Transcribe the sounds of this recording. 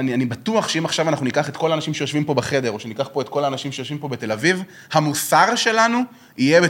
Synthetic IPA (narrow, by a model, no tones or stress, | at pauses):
anianibatuaχʃeimaχʃavanaχnunikaχetko̞laːnaʃimʃejoʃvimpo̞beχe̞deʁo̞ʃenikaχpo̞et̪ko̞laːnaʃimʃe̞jo̞ʃvimpo̞bete̞laviv | hamusaʁʃe̞lanu | ijebe